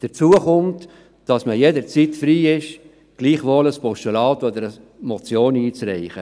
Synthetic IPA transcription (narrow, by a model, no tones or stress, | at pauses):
d̥əɾt͡suəχʊmtː | d̥ɑsməjedəɾt͡sitfɾiːɪʃ | ɡ̥liːχʋoːləspɔʃtolɑːdɔd̪əɾə | mɔt͡sjoːniːt͡sɾɛɪχə